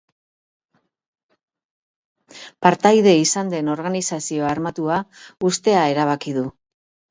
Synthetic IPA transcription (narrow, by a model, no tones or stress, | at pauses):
paɾt̪ajðe̞isand̪e̞no̞ɾɣanisasio̞aɾmat̪uaust̪e̞ae̞ɾaβ̞akiðu